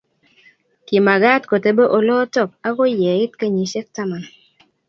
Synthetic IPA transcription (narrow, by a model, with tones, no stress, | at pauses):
ki˨ma˨ɡa˦tko˨te˦be˦ʔo˨lɔ˦tɔ˦˨p̚a˦ɡo˦jɛ˨i˦tke˦ɲi˨˦ʃɛ˦k̚ta˦ma˨n